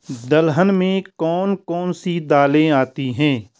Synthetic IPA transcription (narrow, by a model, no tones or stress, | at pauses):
d̪əlɦənmẽkɔːnkɔːnsid̪aːlẽaːt̪iɦɛ̃ː